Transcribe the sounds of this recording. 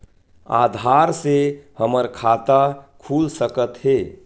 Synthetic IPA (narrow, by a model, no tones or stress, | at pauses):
a̰ːd̪ʱaɾsehəməɾkʰat̪akʰuːlsəkət̪ɦe